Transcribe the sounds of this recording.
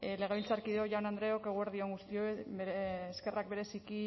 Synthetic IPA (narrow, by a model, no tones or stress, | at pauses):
le̞ɣeβilt͡saɾkiðeoʝanand̪ɾe̞oke̞ɣ̞oeɾðio̞ŋɡust̪io | eskerak̚be̞ɾe̞siki